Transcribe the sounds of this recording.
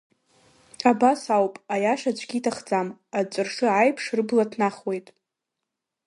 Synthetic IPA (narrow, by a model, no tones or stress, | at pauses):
abasawpʼajaʃat͡ʃʷʰʼɡʲitʰaχd͡zamat͡ʃʷʼɨrʂɨajpʰʂrɨblatʰnaχwe̞jtʼ